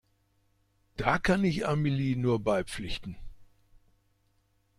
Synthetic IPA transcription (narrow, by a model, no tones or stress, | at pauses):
d̥aːkʰanɪça̰miliːnuːɐbaɪp͡flɪçtn̩